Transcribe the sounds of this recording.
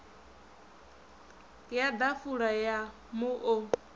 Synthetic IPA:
jad̪afuɺaja | muʔɔ

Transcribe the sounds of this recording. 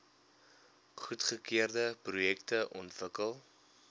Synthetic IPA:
χutχəkiərdəprujɛktəʔɔntvəkəlˠ

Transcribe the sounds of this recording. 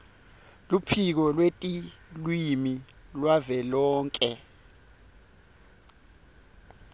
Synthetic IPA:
lupʰik̬ɔlwetʼilwimilwavɛlɔːŋkʼɛ

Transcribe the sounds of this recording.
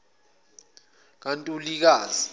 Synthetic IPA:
k̬antʼulik̬aːzi

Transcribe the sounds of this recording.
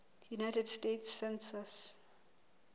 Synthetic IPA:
junajtədstetsːɛ̃nsəs

